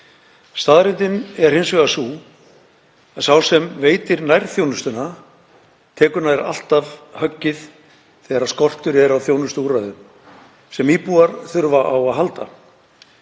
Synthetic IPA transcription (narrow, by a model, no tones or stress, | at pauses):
st̪aːðɾɪnt̪ɪnɛɾ̥hɪnsvɛɣasuː | aðsawsɛmveːjt̪ɪɾnajɾ̥θjownʏst̪ʏna | t̪ʰɛːkʏɾnaðɾa̰l̥t̪avhœcːɪθ | θɛɾaskɔr̥t̪ʏɾɛɾawθjownʏst̪uːɾaðʏm | sɛmiːpuaɾθʏɾvaʔawaðɦalt̪a